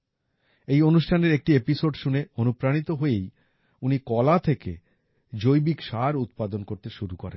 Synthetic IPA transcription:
ejonuʃʈʰaneɾek̚ʈiepisoɖʃuneonupɾanit̪oɦoej | unikɔlat̪ʰekḛ | d͡ʑojbikʃaɾut̪̚pad̪onkoɾt̪eʃuɾukoɾḛnn

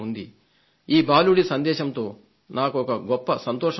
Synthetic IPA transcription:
und̪i | iːbaːluɽisɐnd̪ɛːʃɐmt̪o̞ː | naːkuɔkɐɡɔpːɐsɐnt̪ɔːʂɐ

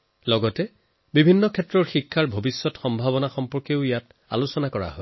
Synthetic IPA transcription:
lɔɡɔtɛ | bibʱinːɔkʰɛtɹɔɹxikʰːaɹbʱobisːɔtxɔmbʱaβɔnaxɔmpɔɹkeʊijat | a̰lusɔnakɔɹa̰ɦɔj

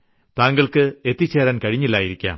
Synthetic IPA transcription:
t̪aːŋɡɐɭkɨet̪ːit͡ɕːeːɾaːnkɐɻiɲːilːaːjiɾikʲːa̰ːm

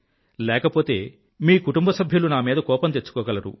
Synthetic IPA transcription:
lɛːkɐpo̞ːt̪e̞ː | miːkuʈumbɐsɐbʱjulunaːmiːd̪ɐkɔːpɐnt̪et͡ʃːu̥kɔːɡɐlɐɾṵ

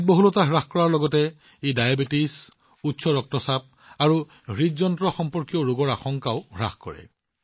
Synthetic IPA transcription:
t̚bɔɦulɔtaɦɹaxkɔɹaɹlɔɡɔtɛ | edajabitis | utːsʰɔɹɔk̚tɔsap̚ | aɹu | ɦɹizɔntɹɔxɔmpɔɹkioɹuɡɔɹaxɔŋkaʊɦɹa̰xkɔ̰ɹɛ̰

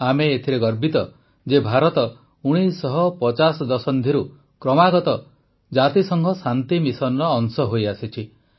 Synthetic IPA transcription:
ameːt̪ʰiɾeɡɔɾbit̪ɔ | d͡ʒebʱaɾɔt̪ɔ | uɽ̃isɔɦɔpɔt͡ʃasɔd̪ɔsɔnd̪ʱiɾu | kɾɔmaɡɔt̪ɔ | d͡ʒat̪isɔŋɡʰɔsant̪imisɔnɔɾɔːŋsɔɦojasit͡ʃʰi

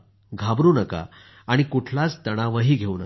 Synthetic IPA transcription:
ɡʱabɾuːnəka̰ | aɽ̃ikuʈʰlat͡st̪əɽ̃aʋəɦiːɡʱeuːnə

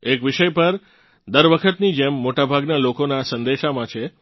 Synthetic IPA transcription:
ekʋiʃəjpəɾ | d̪əɾʋəkʰət̪nid͡ʒemːoʈabʱaɡnalokonasə̃nd̪eʃamãt͡ʃʰe

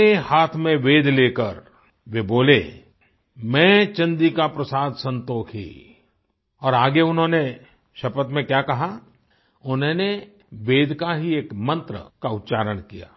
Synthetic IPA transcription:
ehaːt̪ʰmẽʋeːd̪ʱleːkəɾ | ʋeboːle | mɛ̃ːt͡ʃɐ̃nd̪ikapɾɐsaːd̪ʱsɐ̃nt̪oːkʰɦḭː | ɔːɾaːɡeʊnɦõːne | ʃɐpət̪mẽkjaːkɐɦa | ʊnɦõne | ʋeːd̪ʱkaɦieːkmɐ̃nt̪ɾə̰kaʊt̪ʃaːɾəɽ̃kija̰ː

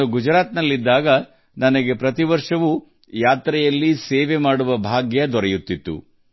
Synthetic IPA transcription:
uɡud͡ʒɾaːt̪nɐlːid̪ːaːɡɐ | nɐnɐɡe̞pɾɐt̪iʋɐɾʂɐʋu | jaːt̪ɾɛjɐlːiseːʋe̞maːɽuʋɐbʱaːɡjɐd̪ɔɾɛjut̪ːit̪ːṵ

